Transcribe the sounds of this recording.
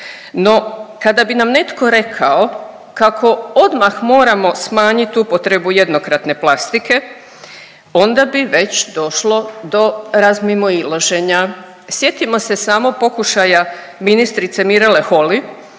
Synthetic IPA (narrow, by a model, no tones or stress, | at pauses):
no̞kad̪abinamne̞t̪ko̞ɾe̞kʰao | kakʰo̞o̞d̪maxmo̞ːɾamo̞smaːɲit̪upot̪ɾe̞buje̞d̪nokɾat̪ne̞plˠast̪ike̞ | o̞nd̪abiʋe̞t͡ɕd̪o̞ʃlo̞d̪o̞ɾazmimoilˠoʒe̞ɲa | sje̞t̪imo̞se̞saːmo̞po̞kuʃaja | minist̪ɾit̪se̞miɾele̞xo̞li